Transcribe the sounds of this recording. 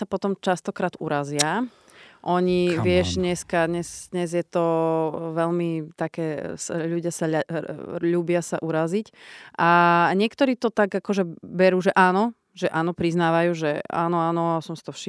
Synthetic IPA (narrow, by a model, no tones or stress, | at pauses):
sapɔt̪ɔmt͡ʃast̪ɔkɾaːd̪ṵɾazɪa | ʔɔɲiʋɪɛʒɲɛskad̪ɲɛzd̪ɲɛzjɛt̪ɔʋɛʎmit̪akɛːsaʎuɟɪasaʎ | ʎuːbɪasaʔuɾazicʔaɲɪɛkt̪ɔɾiːt̪ɔt̪aɡakɔʒɛbɛɾuːʒɛʔaːnɔ | ʒɛʔaːnɔpɾiznaːʋajuːʒɛa̰ːnɔaːnɔasɔmsi̥t̪ɔfʃi